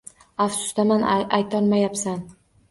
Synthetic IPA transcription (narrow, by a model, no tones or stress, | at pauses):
afsʊ̥st̪amanajt̪ʰɒnmajapsan